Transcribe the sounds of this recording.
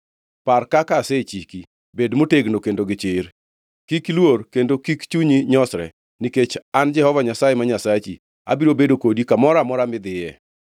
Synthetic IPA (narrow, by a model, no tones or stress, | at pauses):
parkakaset͡ʃiki | bedmoteɡnokendoɡɪt͡ʃɪr | kiklworkendokikt͡ʃuɲiɲɔsɾɛ̰ | niket͡ʃand͡ʒɛhɔvaɲasajemaɲasat͡ʃi | a̰biɾobedokodikamɔɾamɔɾamɪd̪ɪjɛ